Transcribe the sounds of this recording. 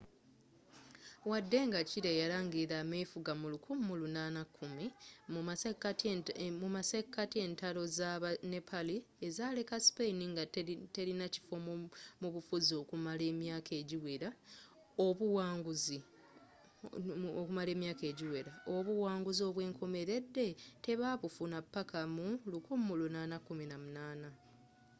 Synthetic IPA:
wadːe̞ŋɡaciɾejalaːŋɡiɾamefuɡamulukʰumːulunaːnakʰːumim | mumasekːatie̞ːntalo̞zaβane̞pʰali | ezale̞kasi̥pejiniŋɡate̞ɾinaci̥fommuβufuzio̞ːkumale̞ːmjaːkʰe̞ːɟiweɾa | oβuwaːŋɡuzi | okumale̞ːmjaːke̞ːɟiweɾaoβuwaːŋɡuzio̞ːβwe̞ːŋkʰo̞me̞ɾe̞dːe̞te̞βaːβufunapːakʰamulukumːulunaːnakːuminamunaːna

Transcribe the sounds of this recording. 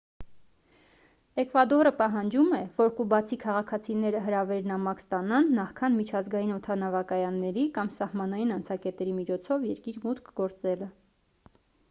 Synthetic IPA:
ɛkvɑd̪ɔɾəpɑɦɑnd͡ʒumɛvɔɾkubɑt͡sʰikʰɑʁɑkʰɑt͡sʰinɛɾəɦəɾɑvɛɾnɑmɑkst̪ɑnɑnːɑχkʰɑnmit͡ʃʰɑzɡɑjinɔt̪ʰɑnɑvɑkɑjɑnːɛɾikɑmsɑhmɑnɑjinɑnt͡sʰɑkɛt̪ɛɾimit͡ʃʰɔt͡sʰɔvjɛɾkiɾmut̪kʰɡɔɾt͡sɛlə

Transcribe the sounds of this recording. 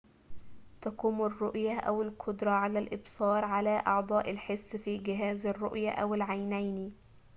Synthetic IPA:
t̪ækuːmʊrːoʔjæʔæwɪlqʰod̪ɾˤɑʕalælʔɪbsɑːɾˤʕalæːʔɑʕd̪ˤɑːʔɪlħesːfiːɡɪɦæːzɑrˤːo̰ʔjæʔæwɪlʕajnæjni

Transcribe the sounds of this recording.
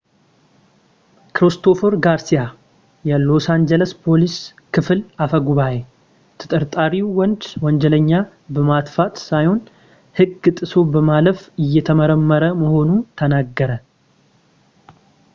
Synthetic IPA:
kɾist̪ʰo̞foɾɡaɾsija | jɛlo̞sand͡ʒɛləspʰo̞lis | kʰɨfɨlafəɡuβaje | t̪ʰɨ̥t̪ʼəɾt̪ʼaɾiwwɔnd͡ʒwɔnd͡ʒɛləɲːa | bəmat̪fat̪sajho̞n | hɨɡːɨt̪ʼːɨso̞bəmaləfɨjːɛt̪ʰəməɾəmːəɾəməho̞nut̪ʰənaɡːəɾə

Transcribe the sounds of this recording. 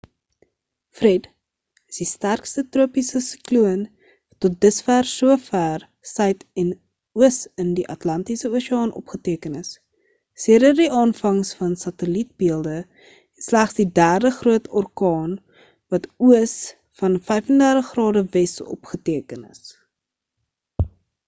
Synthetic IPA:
frɛd | əsdistærkstətruəpisəsikluən | tɔt̚dəsfærsuəfær | sœɥtɛn | uəsəndiʔɐtlɐntisəuəsiɑːnʔɔ̰pχətiəkənəs | siəɾərdiʔɑːnfɐŋsfɐnsɐtəlit̚biəlˠdə | slæχsdidæːrdəχruətʰɔrkɑːn | vɐtuəs | fɐnfɛjfəndærəχrɑːdəvɛsɔ̰pχətiəkənə̰s

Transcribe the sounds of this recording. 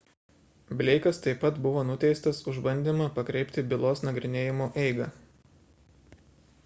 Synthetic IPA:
bʲlʲɛɪkɐst̪ɐɪpːɐt̪bʊʋoːnʊt̪ʲɛɪst̪ɐsʊʒbɐnʲd̪ʲɪmɐpɐkɾʲɛɪpʲt̪ʲɪbʲɪlˠoːsnɐɡɾʲɪnʲeːjɪmoːʔɛɪɡɐː

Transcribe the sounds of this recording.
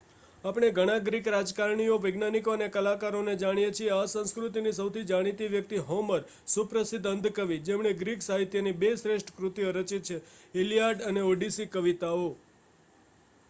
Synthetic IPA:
apɳ̃eɡʱəɽ̃ãɡɾikɾad͡ʒkaɾɳ̃ijoʋəɡnanikoənekəlakaɾoned͡ʒaɽ̃ijet͡ʃʰieasə̃skɾut̪inisəwt̪ʰid͡ʒaɽ̃it̪iʋjək̚t̪iɦoməɾ | supɾəsid̪ənd̪ʱkəʋid͡ʒemɳ̃eɡɾiksaɦit̪jənibesɾeʃʈʰə̥kɾut̪iəɾət͡ʃit̪̚t͡ʃʰeelijaɖəneoɖisikəʋit̪ao

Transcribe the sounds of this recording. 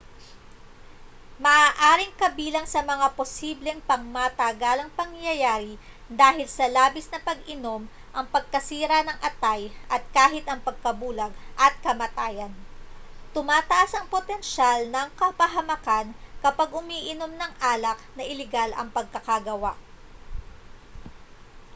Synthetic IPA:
mɐʔaːʔaːɾɪŋkɐbiːlɐŋsɐmɐŋaposiblɛŋpɐŋmat̪ɐɡalɐŋpɐŋjɐjaːɾɪ | d̪aːhɪlsɐlaːbɪsnɐpɐɡʔɪno̞m | ʔɐŋpɐɡ̚kɐsiːɾɐnɐŋʔɐt̪ajʔɐt̪̚kaːɦɪt̪ɐŋpɐɡ̚kɐbuːlɐɡʔɐt̪̚kɐmɐt̪aːjɐnt̪ʊmaːt̪ɐʔasɐŋpot̪ɛnʃalnɐŋkɐpɐɦɐmɐkankɐpaɡʊmiːʔɪno̞mnɐŋʔaːlɐk̚nɐʔɪlɛɡalɐ̰ŋpɐɡ̚kɐkɐɡɐwa̰ʔ

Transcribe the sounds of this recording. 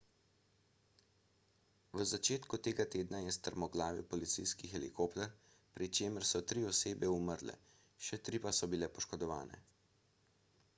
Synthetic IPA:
ʋəzat͡ʃeːt̪kut̪eːɡat̪eːd̪najɛst̪əɾmɔɡlaːʋḭpɔlit̪sijskixɛlḭkopt̪ɛɾ | pɾit͡ʃeːməɾsɔt̪ɾiɔseːbɛuməɾlɛ̰ | ʃɛt̪ɾiːpasɔbilɛpɔʃkɔd̪ɔʋa̰ːnɛ̰

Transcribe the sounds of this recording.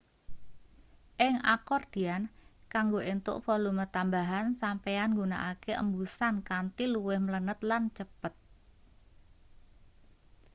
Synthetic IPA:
ʔɪŋakɔrd̪̥i̤ankaŋɡoent̪ʊ̰ʔpɔlumət̪ambaɦansampeanŋɡuna̰ʔakeʔə̰mbusankant̪iluwɪhmələnət̪lant͡ʃəpət̪̚

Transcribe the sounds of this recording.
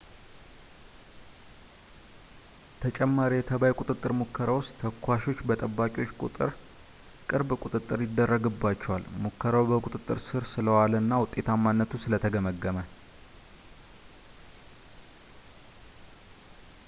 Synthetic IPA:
t̪ʰət͡ʃʼɛmːaɾijɛt̪ʰəβajkʷʼut̪ʼɨt̪ʼːɨɾmukʰːəɾawost̪t̪ʰəkʰʷːaʃo̞t͡ʃːbət̪ʼəbːakʼiwo̞t͡ʃːkʼṵt̪ʼɨ̰ɾ | kʼɨɾbkʼut̪ʼɨt̪ʼːɨɾjɪd̪ːərːəɡɨbːat͡ʃːɛwalmukʰːəɾawbəkʼut̪ʼɨt̪ʼːɨɾsɨɾsɨləwalnːawʊt̪ʼːe̞t̪ʰamːanːət̪ʰusɨlət̪ʰəɡəməɡːəmə

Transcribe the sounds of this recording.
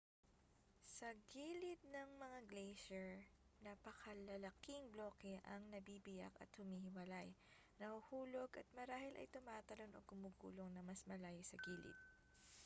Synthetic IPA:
sɐɡiːlɪt̪̚nɐŋmɐŋaɡlejʃɛɹ | nɐpɐkʰɐlɐlɐkiŋbloːkɛʔɐŋnɐbibɪja̰kɐ̰t̪hʊmiːhɪwɐlaj | nɐhuhuːloɡʔɐt̪̚mɐɾaːhɪlʔɐ̰jt̪ʊmaːt̪ɐlo̞nʔo̰ɡʊmuːɡṵːlo̞ŋnɐmɐsmɐlaːjɪsɐɡiːlɪ̰t̪̚

